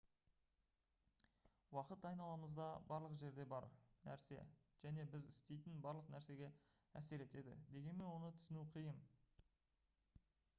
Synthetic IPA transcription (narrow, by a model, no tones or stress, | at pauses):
wɑqət̪ɑjnɑlˠɑməzd̪ɑbɑɾlˠəqʒe̞ɾd̪e̞bɑ̰ɾnæ̰ɾse̞̰ʒ̥æne̞bɪzɪst̪e̞jt̪ɪnbɑɾlˠəqnæɾse̞ɡʲe̞ | æse̞ɾe̞t̪e̞d̪ɪ̰d̪e̞ɡʲe̞nme̞nwo̞nət̪ʰʏ̥sɪnuqʰijəm